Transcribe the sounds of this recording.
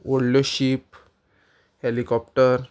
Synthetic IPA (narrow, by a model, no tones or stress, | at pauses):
ʋəɽljoɕip | helikɔp̚ʈəɾ